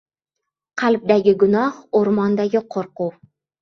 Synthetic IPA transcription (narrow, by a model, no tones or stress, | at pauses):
qʰɑlˠb̚d̪aɡʲɪɡʊnɒhoɾmɒnd̪aɡʲɪqʰoɾquw